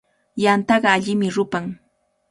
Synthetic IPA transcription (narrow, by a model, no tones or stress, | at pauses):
jant̪ɑɢɑːʎɪmɪɾʊpaŋ